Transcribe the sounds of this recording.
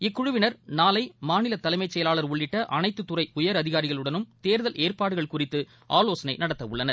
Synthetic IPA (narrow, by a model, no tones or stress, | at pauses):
ɪkːʊɻʊʋɪnɐɾnaːlɐɪmaːnɪlɐt̪ːɐlɐɪmɐɪt͡ʃːɛjɐlaːɭɐɾʊɭːɪʈːɐʔɐnɐɪt̪ːɯt̪ːʊrɐɪʊjɐɾɐðɪɣaːɾɪɣɐɭɯɽɐnɯmt̪eːɾðɐleːrpaːɽɯɣɐɭkʊrɪt̪ːɯ | ʔaːloːsɐnɐɪnɐɽɐt̪ːɐʋʊɭːɐnɐɾ